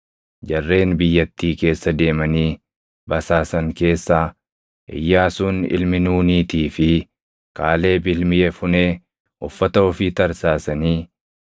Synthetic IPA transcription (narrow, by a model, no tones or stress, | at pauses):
d͡ʒɐrːe̞ːnbɪjːɐt̪ːiːke̞ːsːɐd̪e̞ːmɐniː | bɐsaːsɐŋke̞ːsːaː | ʔɪ̰jːaːsuːnɪ̰lmɪnuːniːt̪iːfɪ | kaːle̞ːbɪlmɪjɛfʊneː | ʔɔfːɐt̪ɐɔfiːt̪ɐɾsaːsɐniː